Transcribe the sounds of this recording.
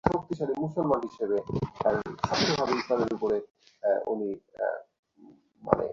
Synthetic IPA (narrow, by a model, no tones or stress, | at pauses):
ok̚t̪iʃalimusolmanɦiʃebe | ʃat̪ʰːobʱabeit̪aɾeɾupoɾe | ṵni | ma̰nḛ